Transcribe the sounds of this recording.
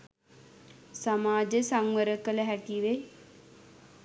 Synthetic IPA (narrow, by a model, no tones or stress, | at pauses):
samaːd͡ʒəsaŋʋəɾəkələɦæʈiʋe